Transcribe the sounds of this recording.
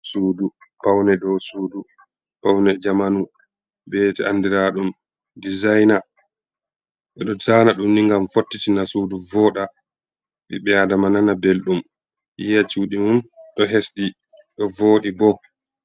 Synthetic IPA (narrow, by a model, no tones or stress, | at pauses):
suːdupawnɛdɔsuːdu | pawnɛd͡ʒamanu | bɛːtɛandiɾaɗum | dizajna | ɓɛɗɔd͡ʒanaɗumniŋɡamfotːitinasuːduvɔɗa | ɓḭɓɛadamananabelɗum | ʔijat͡ʃuːɗimumɗɔɦesɗi | ɗɔvoːɗibɔ